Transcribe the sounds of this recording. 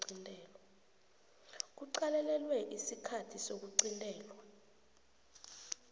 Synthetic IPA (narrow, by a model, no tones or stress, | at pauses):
intʼɛːla | k̬uǀalɛlɛlwɛʔisikʰatʰisok̬uǀintʼɛːlwa